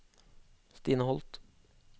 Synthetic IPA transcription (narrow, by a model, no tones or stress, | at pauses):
st̪iːnəhɔlt̪